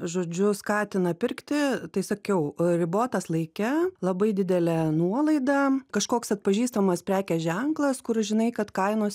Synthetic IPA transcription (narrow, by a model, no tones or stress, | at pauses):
ʒoːd͡ʒʲʊskɑːt̪ʲɪnɐpʲɪɾʲkt̪ʲɪt̪ɐɪsɐkʲɛʊɾʲɪboːt̪ɐslˠɐɪkʲɛlˠɐbɐɪd̪ʲɪd̪ʲɛlʲɛnuɔlˠɐɪd̪ɐkɐʃkoːksɐt̪̚pɐʒʲiːst̪ɐmɐspʲɾʲæːkʲɛʒʲɛŋklˠɐskʊɾʒʲɪnɐɪkɐt̪kɐɪnoːs